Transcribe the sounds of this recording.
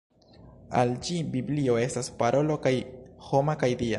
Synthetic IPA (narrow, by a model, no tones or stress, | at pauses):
a̰ld͡ʒibiblio̞e̞staspaɾʔo̞lo̞kajho̞makajdia